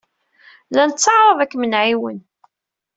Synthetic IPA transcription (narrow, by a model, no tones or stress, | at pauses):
lænət͡sːəʕɾˤəðˤækːmənʕiwə̰n